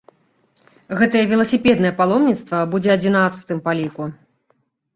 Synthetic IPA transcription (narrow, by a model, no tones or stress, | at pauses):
ɣɛt̪ɐjɛvʲilˠɐsʲipʲɛd̪nɐjɛpalˠɔmnʲit̪st̪vɐbud͡zʲɛɐd͡zʲinat̪sɨ̥t̪ɨmpalʲiku